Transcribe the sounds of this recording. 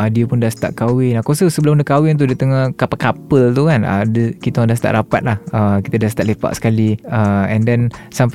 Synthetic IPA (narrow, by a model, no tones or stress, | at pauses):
diəpʊndast̪a̰ʔkawɪnakosəsəbəlʊmndəkawɪnt̪̬udiət̪əŋahkapakapəlt̪ukanə̰dəkit̪əŋdast̪a̰ʔɾapat̪̚lahəkit̪adast̪aʔlepa̰ʔsə̥kaliəɛndɛnsamp